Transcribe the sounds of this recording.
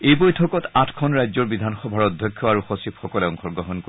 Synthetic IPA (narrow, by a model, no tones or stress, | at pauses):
ejbojtʰɔkɔtatʰkʰɔnɹajzɔɹbidʱanxɔbʱaɹɔdʱjɔkʰːɔaɹuxɔsipxɔkɔleɔŋxɔɹɡɹɔɦɔnko